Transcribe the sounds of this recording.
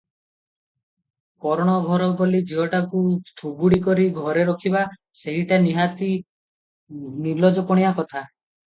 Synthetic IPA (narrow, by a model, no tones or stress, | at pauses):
pɔɾɔɽ̃ɔɡʱɔɾɔbolid͡ʒiɦɔʈakut̪ʰubuɽikɔɾiɡʱɔɾeɾɔkʰiba | seɦiʈaniɦat̪i | nilɔd͡ʒɔpɔɽ̃iakɔt̪ʰa